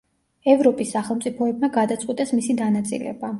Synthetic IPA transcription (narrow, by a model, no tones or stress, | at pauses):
ɛvɾɔpʼisːaχɛlˠmt̪sʼipʰɔɛbmaɡad̪at̪sʼqʼwit̪ʼɛsmisid̪anat̪sʼḭlɛ̰ba